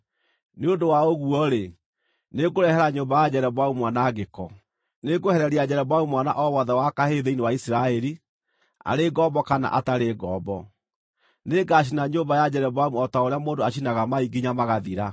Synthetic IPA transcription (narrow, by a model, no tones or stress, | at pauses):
neondowaoɣuɔɾe | neɡoɾɛhɛɾaɲoːmbajad͡ʑɛɾɛβwaumwanaːɣekɔ̰ | neɡohɛɾɛɾiad͡ʑɛɾɛβwaumwana̰ʔɔwaðawakaheðeinewaisiɾaɛɾi | a̰ɾeɡɔbɔkana̰ʔataɾeɡɔːbɔ | neɡaɕ̬inaɲoːmbajad͡ʑɛɾɛβwamuɔtaoɾeamoːndoaʃ̬inaɣamaiɡiɲamaɣaðiɾa